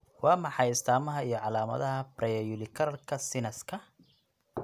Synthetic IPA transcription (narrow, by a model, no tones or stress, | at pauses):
wɑːmɑħɑjɪst̪ʰaːmɐɦɐijɞʕɑlaːmɐ̰ðɐɦɐbrɛjɐjʊlɪkʰɐɾɐlkʰɐsɪnɐskʰɐ